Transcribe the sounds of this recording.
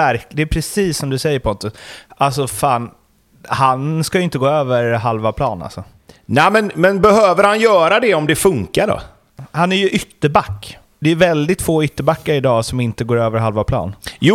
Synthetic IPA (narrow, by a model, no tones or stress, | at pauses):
æɾd̪ɛːpʰɾɛsiːsːɔmd̪ɵsɛjːəɾpʰɔnt̪ɵsʔals̬ɔfaːn | hanskajʏɪnt̪əɡoːøːvəɾɦalvapʰlɑ̰ːna̰lsɔ | næmɛnmɛnbɛhøːvəɾhanjœːɾad̪ɛɔmd̪ɛfɵŋkaɖɔ̰ | hanæɾjɵʔʏt̪ːəbakː | d̪ɛɾvɛld̪ɪt̪foːʏt̪ːəbakːaɾɪd̪ɑːsɔmɪnt̪əɡoːɾøːvəɾɦalvapʰlɑ̰ːnj